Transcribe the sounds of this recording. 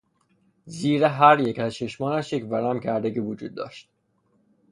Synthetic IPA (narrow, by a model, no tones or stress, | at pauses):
ziːɾeɦæɾjecæzt͡ʃʰeʃmɒːnæʃjecvæɾæmcʰæɾd̪eɟiːvod͡ʒuːd̪ːɒ̰ːʃt̪̚